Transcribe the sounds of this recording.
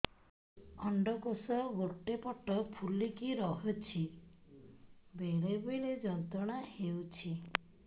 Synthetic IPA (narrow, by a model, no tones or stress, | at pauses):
ɔɳɖɔkosɔɡoʈːepɔʈɔpʰulikiɾɔɦɔt͡ʃʰi | beɭebɔjled͡ʒɔnt̪ɔɽ̃ahewt͡ʃʰi